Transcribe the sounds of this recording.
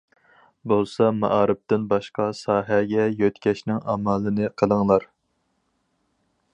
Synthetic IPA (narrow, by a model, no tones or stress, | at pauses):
bolˠsɑmɑ̰ʔɑːɾɨp̚t̪ɪnbɑʃqɑsɑːɦɛɡʲɛjøt̪kʲʰɛʃnɪŋɑ̰mɑːlˠɨnɨqʰəlˠəŋlˠɑɾ